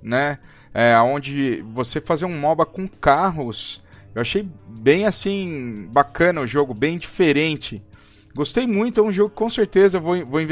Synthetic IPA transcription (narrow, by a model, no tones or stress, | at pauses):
nɛ | ɛaõnd͡ʒɪvosefazeɾũmɔbɐkõkaɦʊsewaʃejbẽj̃asĩbakɐ̃nɐʊʒoɡʊbẽj̃d͡ʒifeɾẽnt͡ʃɪ | ɡost̪ejmũj̃t̪ʊɛũʒoɡʊkɪ̥kõseɾt̪ezɐewvowĩvowĩv